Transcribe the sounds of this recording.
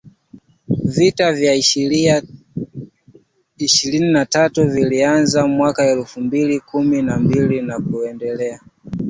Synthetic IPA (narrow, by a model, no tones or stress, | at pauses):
vitavja | iʃiɾininatatuvilianzamwakaɛlfumbilikuminambilinakuɛndɛlɛa